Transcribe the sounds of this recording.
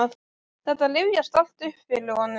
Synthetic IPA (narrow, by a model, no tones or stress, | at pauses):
a | θɛht̪alɪvjast̪al̥t̪ʏhpfɪlɪhɔnːʏ